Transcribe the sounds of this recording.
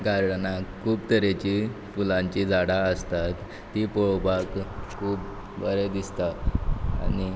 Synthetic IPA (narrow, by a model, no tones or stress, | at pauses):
ɡaɾɽnakʰːuːpt̪əɾet͡ɕifulãɲt͡ɕid͡zaɽaəst̪at̪ː | ipoɭbakkʰːuːb | bəɾed̪ist̪aa̰ni